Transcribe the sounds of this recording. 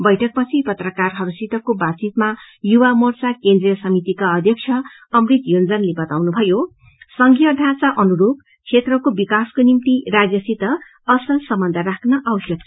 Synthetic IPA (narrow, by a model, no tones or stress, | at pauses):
bʌjʈʰʌk̚pʌt͡sʰipʌt̪rʌkarɦʌɾusit̪ʌkobat͡sit̪ma | juwamʌrt͡sakend̪rijʌsʌmit̪ikaʌd̪ʱjʌk̚t͡sʰʌ | ʌmrit̪jond͡zʌnlebʌt̪awnubʱʌjo | sʌŋɡijʌd̪ʱat͡saʔʌnuɾub | sʰet̪rʌkobikaskonimt̪irad͡zjʌsit̪ʌ | ʌsʌsʌmbʌnd̪ʱaɾakʰnʌʔawsjʌk